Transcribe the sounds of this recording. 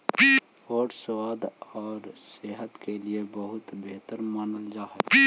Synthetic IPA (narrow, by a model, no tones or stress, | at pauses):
oːɾswaːd̪ɔːɾseːɦət̪keliebɐɦʊt̪beɦt̪əɾmanəld͡ʒaːɦɛ